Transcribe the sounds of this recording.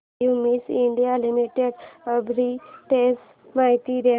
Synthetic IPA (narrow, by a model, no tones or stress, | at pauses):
umiːsɪɳɖijalimiʈeɖəbɾiʈes | maːjt̪iɾ